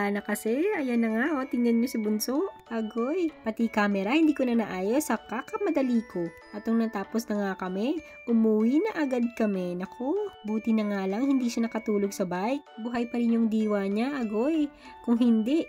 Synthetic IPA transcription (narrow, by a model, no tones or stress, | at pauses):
aːnɐkɐsɛʔɐjonːɐŋaʔot̪ɪŋɐnɲosɐbʊnsoʔʔɐɡojpɐt̪ikaːmɛɾɐhɪnd̪iːkonɐnɐʔaːjo̞sɐkakɐmɐd̪ɐliːko̞ | ʔɐt̪̚ːoŋnɐt̪aːposnɐŋakɐmɛ | ʔʊmuwinɐʔɐɡad̪̚kɐmɛnɐkʰo̞buːt̪ɪnɐŋalɐŋhɪnd̪iːʃanɐkɐt̪uːloɡsɐbajk̚bʊɦɐjpɐɾɪnjʊŋd̪iːwaɲaʔɐɡoj | kʊŋɦɪnd̪ɛʔ